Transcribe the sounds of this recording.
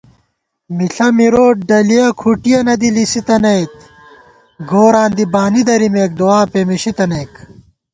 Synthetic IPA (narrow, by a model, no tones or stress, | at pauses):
miɬɐmiɾoːʈ̚ɖɐlijɐkʰuʈijɐnɐd̪ilisit̪ɐnɐjt̪ | ɡoːɾaːnd̪ibaːnid̪ɐɾimeːk̚d̪owaːpemiɕit̪ɐneːk